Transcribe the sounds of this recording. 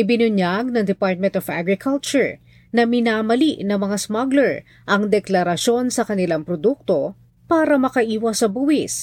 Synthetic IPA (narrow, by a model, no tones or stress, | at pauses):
ʔɪbɪnʊɲjaɡ̚nɐŋd̪ɛpaɹt̪̚mɛ̃nt̪ɔfaɡɹɪkʰɐlt͡ʃʊɹ | nɐmɪnaːmɐliʔnɐŋmɐŋasmɐɡlɛɹ | ʔɐŋd̪ɛklɐɾɐʃo̞nsɐkɐnɪlaŋpɾod̪uk̚t̪o̞ | paːɾɐmɐkɐʔiːwɐsɐbuhɪs